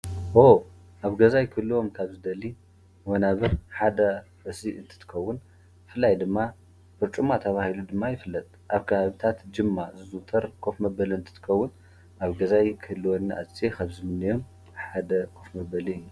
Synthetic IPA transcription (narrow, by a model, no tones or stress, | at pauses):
ʔo | ʔaβɡɐzajkʰɨlːuwo̞mkʰaβzɨd̪ɐlːi | wɐnaβɨɾħad̪ɐfɨsiʔɨnt̪ʰɨ̥t̪ʰɨ̥kʰɐwːʊn | fɨlːajd̪ɨmːa | fɨɾt͡ʃʼumat̪ʰɐβahilud̪ɨmːajɪfɨlːɐt̪ʼʔaβkʰɐβaβit̪ʰat̪d͡ʒɨmːazɨzut̪ʰɐɾkʰo̞fmɐbɐlɨnt̪ʰɨ̥t̪ʰɨ̥kʰɐwːʊn | ʔaβɡɐzajkʰɨhɨlːuwonːɨʔat͡sʼekʰaβzɨmɨnːijo̞m | ħad̪ɐkʰo̞fmɐbɐliɨjːu